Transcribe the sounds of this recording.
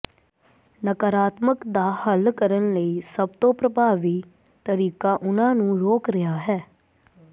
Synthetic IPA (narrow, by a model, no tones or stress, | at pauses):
nəkəɾaːt̪məkd̪aːhəlkəɾənləiːsəb̚t̪õːpɾəbʱaːʋiː | t̪əɾiːkaːʔʊnãːnũːɾoːkɾɪjaːɦɛː